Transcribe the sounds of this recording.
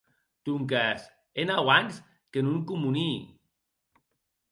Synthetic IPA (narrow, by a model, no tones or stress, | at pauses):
t̪uŋkas | enawaŋs | kenuŋkumuni